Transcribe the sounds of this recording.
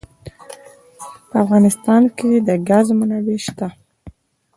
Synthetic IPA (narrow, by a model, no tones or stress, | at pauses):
pəafɣɑnɪst̪ɑnked̪əɡazmənaweʃt̪a